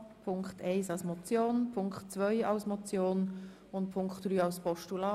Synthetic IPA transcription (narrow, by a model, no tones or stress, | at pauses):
pʰʊŋkχtʰɛɪsɑlsmɔt͡sjoːnpʰʊŋkχtt͡svœɪɑʊsmɔt͡sjoːn | ʊntpʰʊŋkχtd̥ryːɑʊspʰɔʃtulɑː